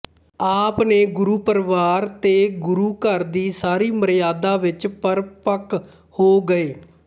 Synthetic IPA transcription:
aːpneːɡʊɾuːpəɾʋaːɾt̪eːɡʊɾuːkəɾd̪iːsaːɾiːməɾjaːd̪aːʋɪt͡ʃpəɾpək | hoːɡəeː

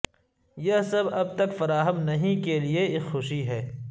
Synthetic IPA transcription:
jɐɦsɐbɐb̚t̪ɐkfɐɾaːɦəmnɐɦĩkelieɪxʊʃiɦɛː

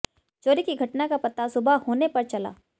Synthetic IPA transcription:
t͡ʃoːɾikiɡʱɐʈnakapɐt̪ːasʊbʱahoːnepɐɾt͡ʃɐla̰ː

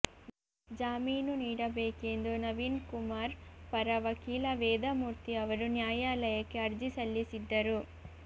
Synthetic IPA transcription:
d͡ʒaːmiːnuniːɽɐbeːke̞nd̪unɐʋiːnkumaːɾpɐɾɐʋɐkiːlɐʋɛːd̪ɐmuːɾt̪iɐʋɐɾunjaːjaːlɐjɐkːe̞ɐɾd͡ʒisɐlːisid̪ːɐɾu

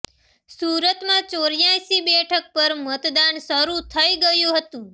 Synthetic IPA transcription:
suɾət̪mãt͡ʃoɾjajsibɛʈʰək̚pəɾmət̪d̪aɳsəɾut̪ʰəiɡəjũɦət̪ũ

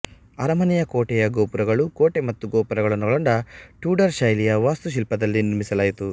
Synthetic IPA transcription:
ɐɾɐmɐnijɐkoːʈɛjɐɡoːpuɾɐɡɐɭukoːʈemɐt̪ːuɡoːpuɾɐɡɐɭɐnːɔɭɐɳɖɐʈuːɖɐɾʃɐjlijɐʋaːst̪uʃ̬ilpɐd̪ɐlːiniɾmisɐlaːjit̪u

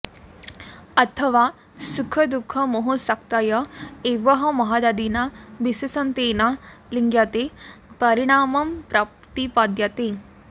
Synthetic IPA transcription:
ɐt̪ʰɐʋaː | sukʰɐd̪ukʰːɐmoɦosɐkt̪ajɐeːʋɐɦɐmɐɦad̪ad̪inabisɐsɐnt̪eːnaliŋɡjat̪epɐɾiɽ̃aːmɐmpɾɐpt̪ipad̪jɐt̪e

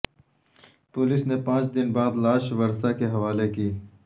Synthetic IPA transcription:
pʊlɪsnepãːt͡ʃd̪ɪnbaːd̪laːʃʋɐɾsakeɦɐʋaːlekiː

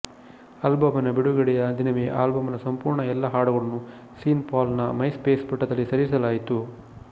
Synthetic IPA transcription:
ɐlbɐmɐnɐbiɽuɡɐɽɛjɐd̪ʱinɐʋeʔa̰ːlbɐmɐnɐsɐmpuːɾɳɐɛlːɐɦaːɽɐɣɐɭɐnːu | siːnpaːlnɐmɐjspeːspiʈːɐd̪ɐlːisɐɾisɐlaːjit̪u

